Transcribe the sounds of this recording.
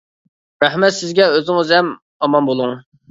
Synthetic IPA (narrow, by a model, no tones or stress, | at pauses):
ɾɛhmɛt̪sɪzɡʲɛøzɪŋəzɛm | ɑmɑmbolˠuŋ